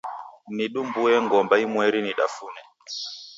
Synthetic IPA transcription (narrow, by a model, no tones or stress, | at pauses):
niɗumbuɛŋɡɔmbaimwɛɾiniɗa̰funɛ